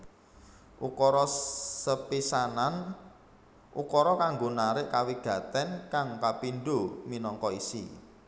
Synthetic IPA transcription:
ʔukɔɾɔsəpisanan | ukɔɾɔkaŋɡonaɾɪʔkawiɡ̥a̤t̪ɛnkaŋkapinɖominɔŋkɔisḭ

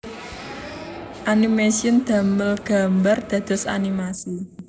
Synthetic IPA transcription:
ʔanimesiənd̪̥a̤məlɡ̥a̤mbard̪̥ä̤d̪̥ɔ̤sa̰nimasi

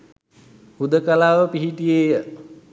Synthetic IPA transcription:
hud̪əkalaːʋəpiɦiʈijeːjə

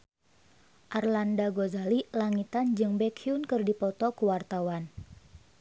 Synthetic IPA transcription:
ʔarlandaɡozalilaŋit̪and͡ʒɨŋbɛkʰiunkɨrdipɔt̪ɔkuwart̪awan

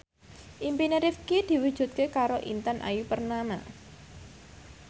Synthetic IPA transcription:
ʔimpineɾɪfkid̪̥i̤wud̥ʒ̥ṳt̪̚kekaɾoʔḭnt̪ənʔa̰jupərnama̰

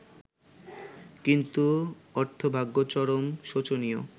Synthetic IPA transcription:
kint̪uɔɾt̪ʰobʱaɡːot͡ɕɔɾomʃot͡ɕonijo

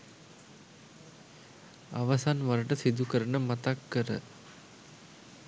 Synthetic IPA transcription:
ɐʋɐsanʋɐɾɐʈəsid̪ukɐɾɐɳəmɐt̪ɐkːəɾə̰

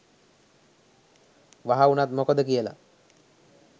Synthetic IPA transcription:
ʋaɦaunat̪mokod̪əkijəla̰

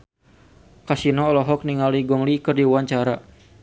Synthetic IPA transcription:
kasinɔːlɔɦɔk̚niŋaliɡɔŋlikərdiwaɲt͡ʃaɾa

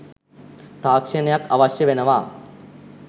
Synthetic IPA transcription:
t̪aːkʂɐnejakɐ̰ʋɐɕjɐʋenɐʋaː

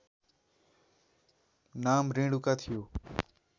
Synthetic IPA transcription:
naːmɾĩːɽukaːt̪ʰɪjoː

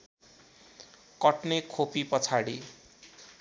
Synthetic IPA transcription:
kʌʈnekʰopipʌt͡sʰaɽi

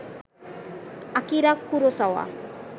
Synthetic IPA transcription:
akiɾakːuɾosawa̰

